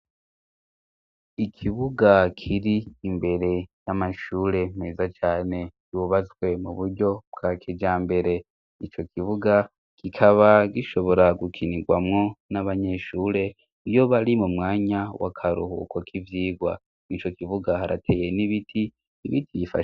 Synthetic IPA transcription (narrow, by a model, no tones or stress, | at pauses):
ikʰiβuɡakʰiɾiːmbe̞ɾe̞jamaʃuːɾe̞meːzat͡ʃaːne̞ɟuβat͡swe̞muβuɾɟo̞bɡakʰed͡ʒaːmbe̞ɾe̞ | it͡ʃo̞kʰiβuɡa | kikʰaβaɡiʃo̞βo̞ɾaɡukʰiniɡwa̰mŋo̞naβaɲe̞ʃuːɾe̞ | ijo̞βaɾimumŋaːɲawʔa̰kʰaɾuhṵkʰokʰivjiːɡwa̰ | nit͡ʃo̞kiβuɡahaɾʔa̰tʰe̞je̞niβitʰiː | βitʰijifa̰ʃ